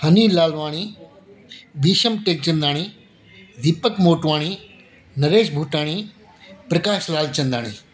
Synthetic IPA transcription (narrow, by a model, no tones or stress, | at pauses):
hɐniːlaːlʋaːɽ̃i | ʋiːʃəmʈeːk̚t͡ɕɐ̃nd̪aːɽ̃i | ʋ̪ipəkmoːʈʋaːɽ̃i | nɐɾeːʃbʱuːʈaːɽ̃i | pɾɐkaːʃlaːlt͡ɕɐ̃nd̪aːɽ̃ḭː